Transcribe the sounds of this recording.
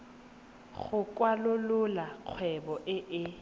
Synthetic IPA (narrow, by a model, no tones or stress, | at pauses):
ɣʊkʼwalʊlʊlaq͡χʰwɛbɔʔɪʔɪ